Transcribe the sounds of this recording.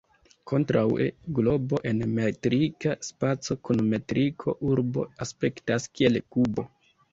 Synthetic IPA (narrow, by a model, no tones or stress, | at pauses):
kʰo̞ntɾawḛɡlo̞bo̞ʔe̞nmetɾikaspat͡so̞kunome̞tɾikʰo̞ʔuɾbo̞̰aspe̞ktaskie̞lkubo̞